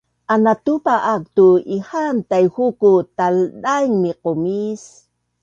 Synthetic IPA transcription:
ʔanat̪upaʔak̚t̪uihant̪ajhukut̪aldajŋmiqomis

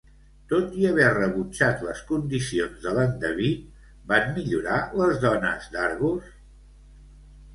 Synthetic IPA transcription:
t̪ot̪iəβɛrəβut͡ʃat̪ləskund̪isionzðələnd̪əβi | banmiʎuɾaləzðɔnə̰zd̪aɾɣus

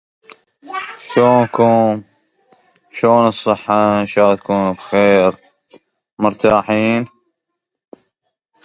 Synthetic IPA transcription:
ʃoːnkuː | ʃoːnɨsˤːɨħːɑʃaːt̪akuːnbxeːɾ | mʊɾt̪aːħiːn

